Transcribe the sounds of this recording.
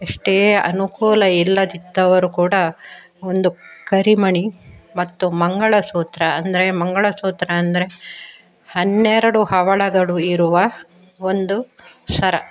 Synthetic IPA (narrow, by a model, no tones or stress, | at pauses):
eʂʈeʔɐ̰nukuːlɐilːɐd̪id̪ːɐʋɐɾukuːɽɐ | o̞nd̪ukɐɾimɐɳimɐt̪ːumɐŋɡɐɭɐsuːt̪ɾɐːnd̪ɐɾe̞mɐŋɡɐɭɐsuːt̪ɾɐːnd̪ɐɾe̞ | hɐnːɛɾɐɽuhɐʋɐɭɐɡɐɭuiɾuʋɐ | o̞nd̪usɐɾɐ